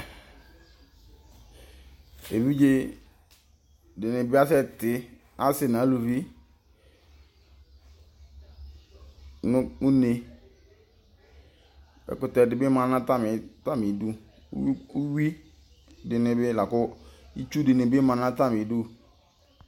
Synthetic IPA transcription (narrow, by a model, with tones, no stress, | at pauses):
e˨vi˦d͡ʒe˦ | dɪ˨nɪ˨bɪ˦a˦sɛ˦tɪ˨ | a˦sɪ˨nã˨˦lu˨vi˦ | nʊ˦u˦ne˨ | bɛ̰˨kʊ˨tɛ˨dɪ˨bɪ˦mã˨nã˦ta˦mɪ˨ta˦mɪ˨˦dṵ˦ | u˦wi˦ | dɪ˨nɪ˨bɪ˦la˨kʊ˦i˦t͡ʃu˦dɪ˨nɪ˨bɪ˦mã˨nã˦ta˦mɪ˨˦dʊ˦